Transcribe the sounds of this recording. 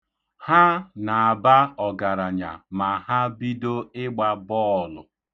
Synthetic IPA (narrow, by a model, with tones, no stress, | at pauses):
ha˦na˨a˨ba˦ɔ˨ɡa˨ɾa˨ɲa̰˨ma˨ha˦bi˦do˦ɪ˦ɡ͡ba˦bɔː˦˨lʊ̰˨